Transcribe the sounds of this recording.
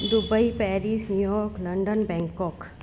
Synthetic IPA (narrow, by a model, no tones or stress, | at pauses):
d̪ʊbəipɛːɾisnjujɔːɾklɐ̃ɳɖənbɛ̃ːŋkɔːk